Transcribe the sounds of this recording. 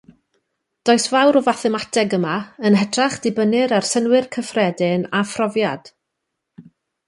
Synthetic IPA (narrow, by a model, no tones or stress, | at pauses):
d̥oːɨsvawɾɔvaθɛmatʰɛɡəmaənɦɛtʰraχd̥ɪbənɪɾarsənwɪrkʰəfrɛdɪnafrɔvjad̥